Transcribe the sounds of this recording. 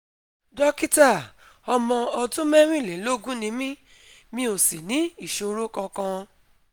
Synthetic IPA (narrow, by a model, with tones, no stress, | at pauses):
dɔ˦ki˦ta˦˨ | ɔ˧mɔ̃˧ɔ˧tũ˦mɛ̃˦ɾ̃ĩ˦˨le˨˦lo˦ɡũ˦nĩ˨˧˦mĩ˦ | mĩ˧˦o˨si˨nĩ˨˦i˦˨ʃo˧ɾo˦kã˧kã˧